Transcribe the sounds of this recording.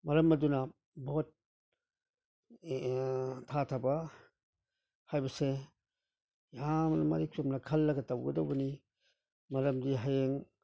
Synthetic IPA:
mɐɾɐmɐdunɐ | boot̚ | tʰːatʰabɐ | hajbɐse | jamnɐmaɾikʰumnɐkʰɐlːɐɡɐtawɡɐdowbɐni | mɐɾɐmdiɦajeŋ

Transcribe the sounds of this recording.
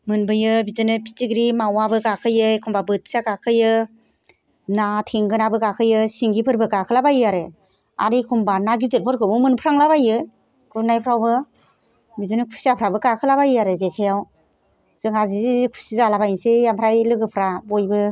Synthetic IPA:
mɯnbɯjɯbidɯnɯpʰi̥tiɡɾimawabɯkakʰɯjɯjkʰumbabɯt̚sakakʰɯjɯ | natʰeŋɡɯnabɯkakʰɯjɯsiŋɡipʰɯɾbɯkakʰɯlabajiaɾɯ | a̰ɾikʰumbanaɡitelpʰɔɾkʰɯmɯmɯnpʰɾaŋlabajɯ | kʰunajpʰɾawbɯ | bizɯnɯkʰu̥siapʰɾabɯkakʰɯlabajiaɾɯzekʰajaw | z̥ɯŋazizikʰu̥sizalabajnsejampʰɾajlɯɡɯpʰɾabojbɯ

